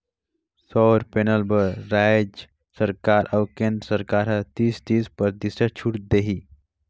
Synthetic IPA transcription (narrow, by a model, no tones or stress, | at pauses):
sɔɾpenəlbəɾɾajd͡ʒ | səɾkaɾʔawkẽnd̪ɾsəɾkaɾɦət̪iːst̪ispəɾt̪isət͡ʃʰuʈd̪eɦi